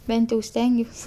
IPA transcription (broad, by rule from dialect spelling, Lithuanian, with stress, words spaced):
ˈbʲɛnt jɛʊ ˈsʲtʲɛŋʲɡʲuɔs